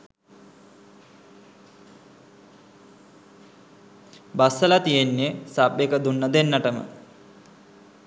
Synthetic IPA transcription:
basəlat̪ijenːesabekəd̪unːəd̪enːəʈəmə̰

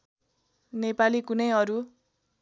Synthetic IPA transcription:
nepalikunʌjʌɾu

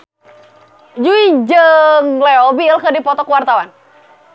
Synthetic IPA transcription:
d͡ʒuid͡ʒəŋlɛɔbiəlkədipɔt̪ɔkəwart̪awan

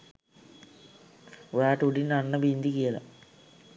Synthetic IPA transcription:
ɾaːʈuɽinɐnːɐbind̪ikijɐlɐ̰

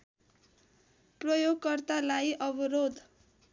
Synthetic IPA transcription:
prʌjoɡkʌrt̪alajʔʌbʌɾod̪

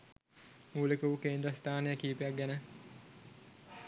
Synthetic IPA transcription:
muːlekuʋukeːnd̪ɾəst̪aːnejəkiːpejak̚ɡænə

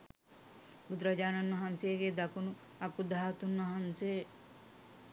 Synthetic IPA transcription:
bud̪ɾad͡ʒaːnɐnʋɐɦansejeɡed̪akunu | akud̪aɦat̪unʋɐɦanse

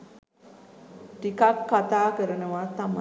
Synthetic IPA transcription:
ʈikakːat̪aːkəɾənəʋat̪am

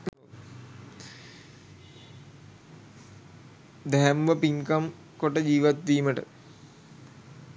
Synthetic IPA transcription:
d̪ɛɦæmʋəpiŋkam | koʈəd͡ʑiːʋat̪̚d̪iːməʈə̰

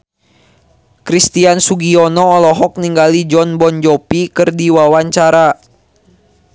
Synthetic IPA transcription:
kɾist̪iansuɡiɔnɔːlɔɦɔk̚niŋɡalid͡ʒɔnbɔnd͡ʒɔpikɨrdiwawaɲt͡ʃaɾa

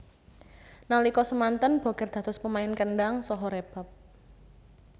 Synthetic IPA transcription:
nalikɔsəmant̪ənb̥ɔ̤ɡ̥ɛ̤rd̪̥a̤t̪ʊspəmaɪnkəɳɖaŋsɔɦɔɾeb̥a̤p̚

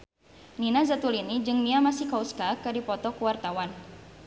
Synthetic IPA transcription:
ninazat̪ulinid͡ʒɨŋmiamasihkauskakɨdipɔt̪ɔkuwart̪awan

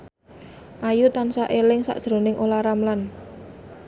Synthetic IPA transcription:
ʔajut̪ansaʔelɪŋsa̰ʔd̥ʒ̥ɾo̤nɪŋʔolaɾamlan

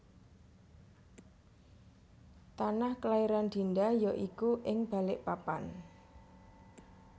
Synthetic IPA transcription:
t̪anahkəlaiɾand̪̥i̤ndajɔʔikuʔɪŋb̥a̤lɪʔpapan

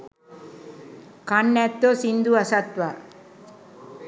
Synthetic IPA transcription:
kɐɳːɛt̪ːosind̪uɐsɐt̪ʋa

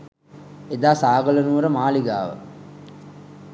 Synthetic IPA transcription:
ed̪aːsaːɡələnuʋəɾəmaːliɡa̰ːʋə̰

